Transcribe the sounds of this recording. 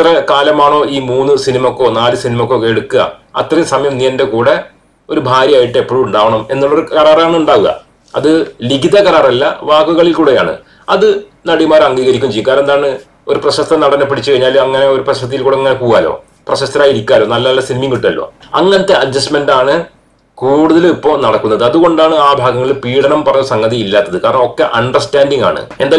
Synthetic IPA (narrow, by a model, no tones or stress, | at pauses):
t̪rɐkaːlɐmaːɳo̞ːiːmuːnːɨsinimɐokːo̞ːnaːlɨsinimɐokːokːeɽukːuɣɐ̰ɐt̪rɐjsɐmɐjɐmnːiɐnde̞kuːɽe̞ | o̞ɾubʱaːɾjɐaːjiʈːɨepːoɭuɳɖaːʋɐɳɐme̞nːuɭːɐo̞ɾukɐɾaːraːɳɨuɳɖaːʋuɣɐ̰ | ɐ̰ðɨliɡiðɐkɐɾaːrɐlːɐ̰ʋaːkːuɣɐɭilkuːɽeja̰ːɳɨ̰ | ɐðɨnɐɽimaːɾɐŋːɡiːɣɐɾikʲːumɲt͡ɕejːukːaːɾe̞nd̪aːɳɨ | o̞ɾuprɐɕɐst̪ːɐnɐɽɐnːɐpːiɽit͡ɕːɨkɐɻiɲaːlɐŋːɐne̞oɾuprɐɕɐst̪ːijilkuːɽeŋːɐnekuːɣaːlo̞̰ː | prɐɕɐst̪ːɐɾaːjiɾikʲːaːlo̞ːnɐlːɐɐlːɐsinimiŋɡiʈːuɐlːo̰ːɐ̰ŋːɐnɐt̪ːe̞ɐd͡ʑːɐsme̞ndaːɳɨ | kuːɽuðɐlipːoːnɐɽɐkːunːɐðɨɐðuɣo̞ɳɖaːɳɨaːbʱaːɡɐŋːɐɭilpiːɽɐɳɐmpɐrɐɲːusɐŋɡɐðiilːaːt̪ːɐðɨkaːɾɐɳɐmo̞kːe̞ʔɐɳɖɐrstaːnɖiŋɡa̰ːɳɨ̰e̞nd̪aː